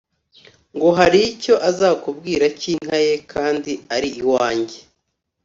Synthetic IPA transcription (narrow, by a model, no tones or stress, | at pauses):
ŋɡo̞ɦaɾico̞ʔazaːkubɡiːɾaciŋ̥aje̞kʰaːndiaɾiʔiwaːɲɟe